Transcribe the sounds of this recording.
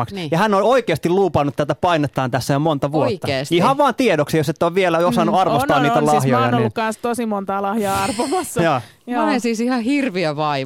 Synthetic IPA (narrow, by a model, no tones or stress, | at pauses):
ɑksjɑhænːoloikeɑst̪iluːpɑnːut̪t̪æt̪æpɑinet̪ːɑːnt̪æsːæjomont̪ɑʋuok̪ːɑeːsihɑʋʋɑːnt̪iedoksijoset̪ːoʋʋielæosɑnːuɑrʋost̪ɑːnniːt̪ælhjojɑ̰noniːunkkɑnst̪osimont̪ɑːlɑhjɑːɑrʋomɑsːɑjɑː | onensiːsihɑhirʋiæʋɑi